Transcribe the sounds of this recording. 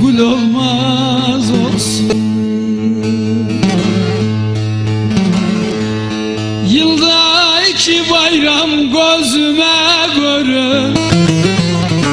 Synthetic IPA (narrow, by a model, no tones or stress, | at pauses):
ɡulolˠmɑ | zolsun | jɯlˠd̪ɑit͡ʃʰɪbɑjɾɑmɡøzymæɡøɾø